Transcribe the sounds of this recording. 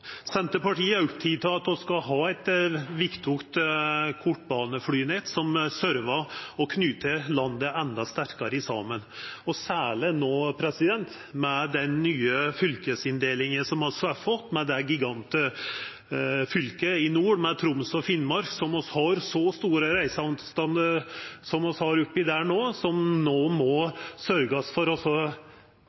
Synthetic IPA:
sɛnt̪əpɑʈiːəʉt̪ʰɪt̪ʰɑɑt̪ɔskɑɦɑːæt̪ʋɪkt̪ʰʊkt̪kʰʊʈbɑːnəflyːneːt̪sɔmsœɾʋɑɔkʰnyːt̪əlɑnd̪əɛnd̪ɑst̪æɾkɑɾəɪsɑ̰ːmənɔsæːɭɪnoːpʰɾɛsɪd̪ɛnt̪ | mɛd̪ɛnːyːəfʏlkəsɪnd̪eːlɪŋəsɔmhɑsɑfɔt̪ːmɛd̪ɛɡɪɡɑnt̪ə | fʏlkəɪnuːɖmɛt̪ʰɾʊmsɔfɪnːmɑɾksɔmɔshɑɾsɔst̪uːɾəɾæɪsəɑʋnt̪st̪ɑnd̪əɾsɔmɔshɑɾʉpːɪd̪æːɳoːsɔmnoːmɔsœɾɡəsfɔɾɔsɔ

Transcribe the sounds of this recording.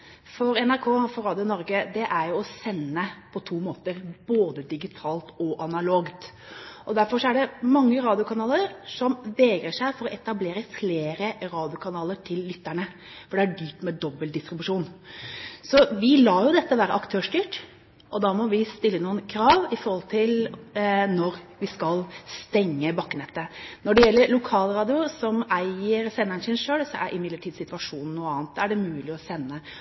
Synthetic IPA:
fɔɾɛnæɾkʰoːfɔɾɑːd̪ɪʊnɔɾɡəd̪ɛʔæɾjʊɔsɛnːəpʰɔt̪ʰuːmoːt̪əɾboːd̪əd̪ɪɡɪt̪ʰɑːlt̪ɔʔɑnɑloːɡt̪ | ʔɔd̪æɾfɔʂɔæɖɛmɑŋːəɾɑːd̪ɪʊkʰɑnɑːləɾsɔmʋɛːɡɾəʂæɪfɔɾɔʔɛt̪ɑbleːɾəfleːɾəɾɑːd̪ɪʊkʰɑnɑːləʈʰɪlːʏt̪ːæɳə | fɔɖɛæɖyːʈ̪mɛd̪ɔbːəld̪ɪst̪ɾɪbʉʂuːn | sɔʋɪlɑːjʊd̪ɛt̪ːəʋæːɾəʔɑkt̪ʰøːʂdyːʈ | ʔɔd̪ɑːmɔʋɪst̪ɪlːənuːənkʰɾɑːʋɪfɔɾhɔlt̪ʰɪl | nɔɾʋɪskɑlst̪ɛŋːəbɑkːənɛt̪ːənɔɖɛjɛlːəɾɭʊkʰɑːlɾɑːd̪ɪʊɾsɔmæɪəɾsɛnːæɳəsɪnʂøːlsɔʔæ̰ɾʔɪmɪd̪əʈʰiːd̪sɪt̪ʋɑʂuːnn̩ːuːəɑːnt̪̚æɖɛmʉːlɪɔsɛnːə

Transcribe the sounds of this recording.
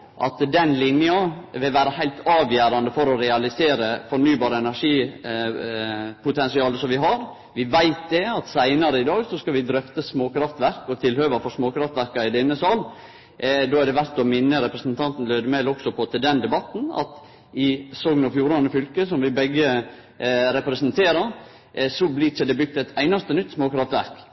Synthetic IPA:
ʔɑ̰t̪d̪ɛnlɪnjɑʋɪlʋæːɾəhæɪlt̪ɑːʋjæːɾɑnd̪əfɔɾɔɾɛɑlɪseːɾəfɔɾnyːbɑːɾəɛnæɾʂiː | pʰʊt̪ʰɛnsɪɑːləsɔmʋɪɦɑɾ | ʋɪʋæɪt̪̚d̪ɛɑt̪sæɪnɑɾəɪd̪ɑːɡsɔskɑʋɪd̪ɾœft̪əsmoːkɾɑft̪ʋæɾkɔt̪ʰɪlhøːʋɑfɔɾsmoːkɾɑft̪ʋæɾkɑɪd̪ɛnːəsɑl | d̪oːæɖɛʋæɾt̪ɔmɪnːəɾɛpɾəsnt̪ʰɑnt̪n̩lœʏd̪əmɛlɔksɔpʰɔt̪ʰɪld̪ɛnd̪ɛbɑt̪n̩ɑ̰t̪ | ɪsɔɡnɔfjuːɾɑnəfʏlkəsɔmʋɪbɛɡːə | ɾɛpɾɛsənt̪ʰeːɾɑɾ | sɔblɪt͡ʃəd̪ɛbʏk̚t̪ɛt̪ʰæɪnɑst̪ənʏt̪ːsmoːkɾɑft̪ʋæ̰ɾk

